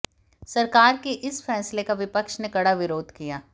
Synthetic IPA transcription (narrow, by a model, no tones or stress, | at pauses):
sɐɾkaːɾkeʔɪsfɛːslekaʋɪpəkʃnekɐɽaʋɪɾoːd̪ʱkijaː